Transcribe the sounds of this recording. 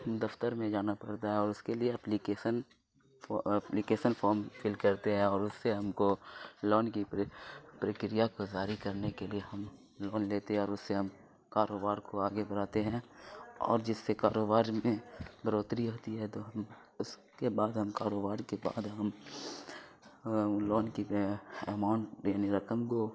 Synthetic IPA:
ɦɐmd̪ɐft̪əɾmẽd͡ʒaːnapɐɽt̪aɦɛ̃ɔːɾʊskelieɐplikeːsən | plikeːʃənfʰɔːɾmfɪlkɐɾt̪eɦɛ̃ɔːɾʊsːeɦɐmkolɔːnki | pɾəkɾijakod͡ʒaːɾikɐɾnekelieɦɐm | lɔːnleːt̪eɦɛ̃ɔːɾʊsːeɦɐm | kaːɾoːbaːɾkoaːɡebɐɾaːt̪eɦɛ̃ɔ̰ːɾd͡ʒɪsːekaːɾoːbaːɾmẽbʱɐɾoːt̪ɾiɦoːt̪iɦɛt̪oɦɐm | ʊskebaːd̪ɦɐmkaːɾoːbaːɾkeba̰ːd̪ɦɐm | lɔːnkiɛmãʊɳʈjaːniɾɐkəmko

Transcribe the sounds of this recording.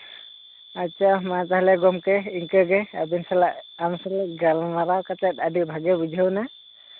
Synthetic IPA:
at͡ʃʰamat͡ʃaɦlɛɡɔmkɛiŋkəɡɛabinsalaʔamsalaɡalmaɾawkat͡ʃat̪̚ˀadibʱaɡɛbud͡ʒʱəwna

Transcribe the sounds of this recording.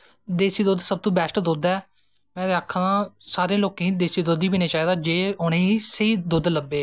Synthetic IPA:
d̪eːsiːd̪oːd̪səb̚t̪õːbɛːsʈd̪oːd̪ɛː | mɛ̃ːd̪eaːkʰːããːsaːɾẽːloːkẽĩːd̪eːsiːd̪oːd̪iːpiːneːt͡ʃaːiːd̪aːd͡ʒeːʊːnẽːiːseiːd̪od̪ləbeː

